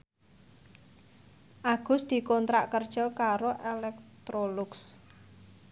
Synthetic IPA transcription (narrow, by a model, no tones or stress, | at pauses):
ʔaɡ̥ʊ̤sd̪̥i̤kɔnt̪ɾaʔkərd̥ʒ̥ɔ̤kaɾoʔelɛk̚t̪ɾolʊks